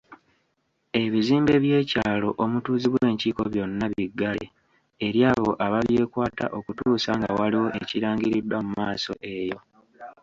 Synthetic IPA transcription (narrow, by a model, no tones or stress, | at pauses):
e̞βiziːmbe̞βje̞ːcaːlo̞ʔomutuːziβwe̞ːɲciːko̞βjo̞nːaβiɡːalḛ | eɾjaːβo̞̰ʔaβaβjeːkwaːta̰ʔo̞kutuːsaŋɡa̰waliwo̞ʔeciɾaːŋɡiɾidwamumaːso̞̰ʔe̞jo̞